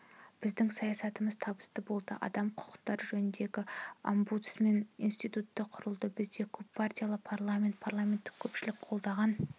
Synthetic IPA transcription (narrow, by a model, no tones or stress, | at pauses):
b̥ɪzd̪ɪŋsɑjɑsɑt̪əməzt̪ʰɑbə̥st̪əbo̞lˠd̪ə̰ʔɑ̰d̪ɑmqʰʊ̥qə̥qt̪ɑɾʒɵnɪnd̪e̞ɡʲɪa̰mbut̪sme̞ninst̪ijt̪ut̪ːəqʰʊɾəlˠd̪əbɪzd̪e̞kʲʰɵpːʰart̪ʲijalˠəpʰarlˠamʲe̞nt̪̚pʰarlˠame̞nt̪ːɪ̥kʲʰɵpʃɪlɪkqʰo̞lˠd̪ɑʁɑn